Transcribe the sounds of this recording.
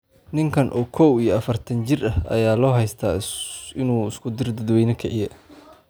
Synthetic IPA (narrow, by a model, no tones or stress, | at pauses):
nɪŋkʰɐnʔɔːkʰɔwijɞɐfɐrt̪ʰɐnt͡ʃɪrʔɐhɐ̰jaːlɔːɦɛjst̪ʰaɪnuːɪskʰʊd̪ɪrd̪ɐd̪wɛjnɐkʰɛʕɪjɛ